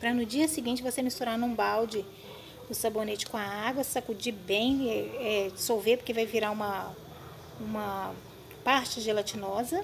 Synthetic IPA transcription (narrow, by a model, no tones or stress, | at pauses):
pɾɐnʊd͡ʒiɐsɪɡĩnt͡ʃɪvosemist̪uɾanõbawd͡ʒɪ | ʊsabonet͡ʃɪ̥kõɐaɡwɐsakud͡ʒibẽj̃ɛɛsowvepoɾkevajviɾaũmɐ | ũmɐ | paɾt͡ʃɪʒelat͡ʃinɔzɐ